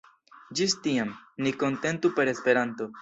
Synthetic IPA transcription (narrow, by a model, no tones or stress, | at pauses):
d͡ʒistiamniko̞nte̞ntupe̞ɾe̞spe̞ɾanto̞